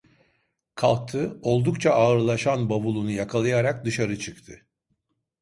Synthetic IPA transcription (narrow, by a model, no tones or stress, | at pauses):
kʰalˠk̚t̪ʰɯo̞lˠd̪ukt͡ʃʰaaɯɾlˠaʃanbavulˠunujakʰalˠajaɾak̚d̪ɯʃaɾɯt͡ʃʰɯkt̪ʰɯ